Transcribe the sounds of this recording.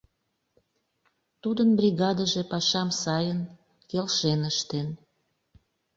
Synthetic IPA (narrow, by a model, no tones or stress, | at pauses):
t̪ud̪ənbrʲiɣɑd̪əʒepɑʃɑmsɑjən | kelʃenəʃt̪en